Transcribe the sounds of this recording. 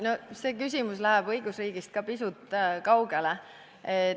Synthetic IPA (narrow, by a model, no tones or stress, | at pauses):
no̞se̞ːkys̬ʲimuslæɦæb̥ɤjɡ̥usriːɡ̥ist̪̚kɑpisut̪ːˑkɑwɡ̥ele | e